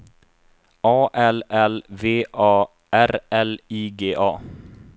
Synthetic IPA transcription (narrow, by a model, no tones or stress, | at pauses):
ɑːʔɛlɛlveːʔɑː | ʔæɾɛliːɡeːʔɑː